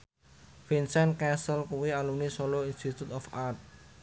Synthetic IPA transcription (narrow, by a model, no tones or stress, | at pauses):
finsɛnkɛsəlkuwialumnisoloinst̪it̪ut̪ɔfart̪̚